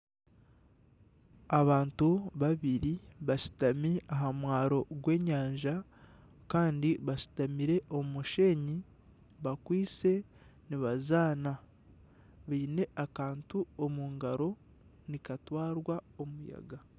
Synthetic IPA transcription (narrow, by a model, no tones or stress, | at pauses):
aβaːntuβaβiɾiβaʃi̥tamiaɦamwaːɾo̞ɡwe̞ːɲaːɲʒa | kaːndiβaʃi̥tamiɾe̞ʔoumuʃe̞ɲi | βakwiːt͡se̞ | niβazaːna | βiːne̞ʔakaːntuomuːŋɡaɾo̞ | nikatwaːɾwao̞muja̰ɡa